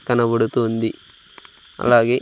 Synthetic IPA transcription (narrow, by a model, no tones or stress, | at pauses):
kɐnɐbɐɽut̪uːnd̪i | ɐ̰laːɡeː